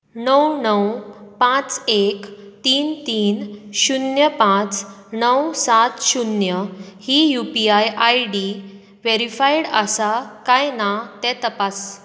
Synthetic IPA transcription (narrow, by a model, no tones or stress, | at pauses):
nəwnəwpãt͡sekt̪iːnt̪iːnɕunjəpãt͡snəwsat̪ɕunjəhijupiajajɖi | ʋeɾifaiɽəsakajnat̪ɛ̃t̪əpas